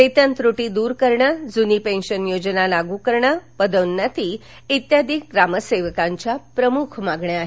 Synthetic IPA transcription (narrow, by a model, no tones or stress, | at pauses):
et̪ənt̪ɾuʈid̪uːɾkəɾɳjad͡zunipẽnɕənjod͡ʑnalaɡũkəɾɳapəd̪əʋnːat̪i | it̪jad̪iːk̚ɡɾaməseʋəkaɲt͡ɕjapɾəmukʰmaɡɳeaɦe